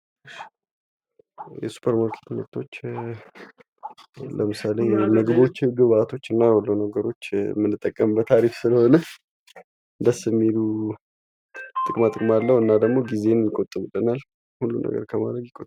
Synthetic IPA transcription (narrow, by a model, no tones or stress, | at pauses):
jɛ̰su̥pʰəɾmaɾkʰet̪not̪ʰo̞t͡ʃː | ləmɨsalenəɡbo̞t͡ʃːɛɡəβat̪ʰo̞t͡ʃːɨnːajɛolːənəɡəɾo̞t͡ʃːmɨnːɨt̪ʼːəkʼːəmbət̪ʰaɾifsɨləho̞nə | d̪əsəmːilu | t̪ʼɨkʼmat̪ʼɨkʼmalːəwɨnːad̪əɡmo̞ɡize̞njɪkʼot̪ʼɨmɨlənal | hulːumnə̰ɡə̰ɾkʰəma̰d̪ɾəɡjɪkʼot̪ʼː